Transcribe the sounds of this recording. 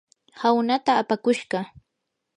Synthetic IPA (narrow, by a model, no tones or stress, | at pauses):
hawnat̪aːpakʊʃɢɑ